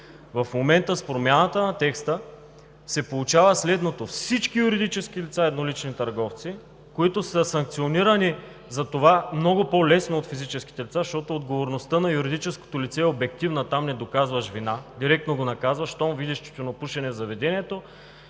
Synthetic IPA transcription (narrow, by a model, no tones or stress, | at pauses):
vɐfmomɛnt̪əspɾomʲjanət̪ənɐt̪ɛkst̪ə | sɛpolˠut͡ʃavəslɛd̪not̪ofsit͡ʃkijuɾid̪it͡ʃɛsk̟ilit̪saɛd̪nolit͡ʃnit̪ɐɾɡɔft̪si | koit̪osəsɐŋk̚t̪sioniɾəni | zɐt̪ovamnɔɡopolɛsnoːt̪fizit͡ʃɛsk̟i̥t̪ɛlit̪saʃt̪ɔt̪oːd̪ɡovoɾnost̪ənɐjuɾid̪it͡ʃɛsko̥t̪olit̪sɛobɛk̚t̪ivnət̪amnɛd̪okazvɐʃvinad̪iɾɛk̚t̪noɡonɐkazvɐʃt̪ɔmvid̪ɛʃt̪i̥t̪onɐpuʃɛnɛzɐvɛd̪ɛniɛt̪o